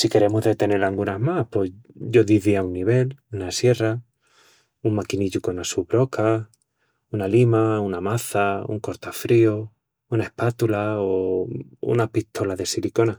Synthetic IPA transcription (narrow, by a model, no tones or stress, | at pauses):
sike̞ɾe̞moɦðe̞t̪e̞ne̞ɾlaŋɡunaɦmahpwoɟ͡ʝo̞ðiðiaunːiβ̞e̞lunasje̞ra | uŋmakiniʎuko̞nasuβɾo̞ka | unalimaunamaθaṵŋko̞ɾt̪afɾio | unae̞hpat̪ulao | ṵnapit̪ʰo̞laðe̞siliko̞na